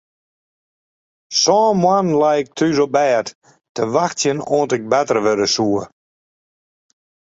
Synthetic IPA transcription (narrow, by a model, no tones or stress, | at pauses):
sɔːmwanlajɪk̚tʰyzobɛːt | təʋaxtjənoːntɪk̚bɛtərʋøɾəsuə